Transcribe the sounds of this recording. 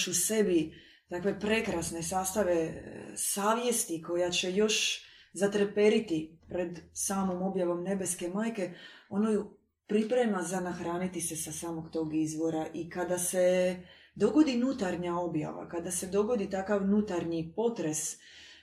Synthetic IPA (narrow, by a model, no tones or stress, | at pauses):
ʃuse̞bi | t̪akʋe̞pɾe̞kɾasne̞saːst̪aʋe̞saːʋje̞st̪iko̞jat͡ɕe̞jo̞ʃ | zat̪ɾepe̞ɾit̪ipɾe̞d̪saːmo̞mo̞bjaʋo̞mne̞be̞ske̞maːjke̞o̞noju | pɾipɾemazanaxɾaːnit̪ise̞sasaːmoɡt̪o̞ːɡizʋo̞ɾaʔikad̪ase̞ | d̪o̞ɡo̞d̪inut̪aɾɲao̞bja̰ʋa̰kad̪ase̞d̪o̞ɡo̞d̪it̪akaʋnut̪aɾɲipo̞t̪ɾe̞s